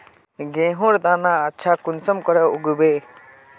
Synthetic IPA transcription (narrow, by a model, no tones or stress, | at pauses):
ɡẽːɦʊ̃ɾd̪aːnaətːʃʰakʊnsəmkɔɾɛʊɡubeː